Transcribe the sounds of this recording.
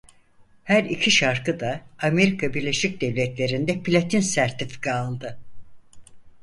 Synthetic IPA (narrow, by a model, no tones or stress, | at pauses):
hæɾicʰiʃaɾkɯd̪aːme̞ɾikʰabiɾlʲe̞ʃic̚d̪ɛvlʲɛt̪lʲe̞ɾind̪ɛpʰilʲat̪ʰinsæɾt̪ifi̥kʰaːlˠd̪ɯ